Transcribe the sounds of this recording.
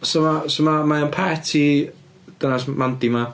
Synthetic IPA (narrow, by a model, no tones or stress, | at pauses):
somasomamaənpʰɛtʰi | d̥ənasmandima